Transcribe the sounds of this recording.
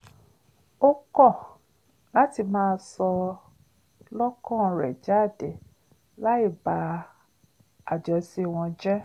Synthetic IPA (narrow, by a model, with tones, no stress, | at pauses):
o˦kɔ˦˨ | la˦ti˧mãː˦˧sɔ˧ | lɔ˦kɔ̃˦˨ɾɛ̰˨d͡ʒa˦˨de˨ | la˦i˦˨ba˧˦ | a˨d͡ʒɔ˧si˦˨w̃ɔ̃˧d͡ʒɛ˦